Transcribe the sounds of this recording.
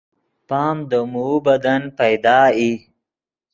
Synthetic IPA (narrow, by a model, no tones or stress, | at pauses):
pɑːmd̪əmubɐd̪ɐnpɐjd̪ɑːi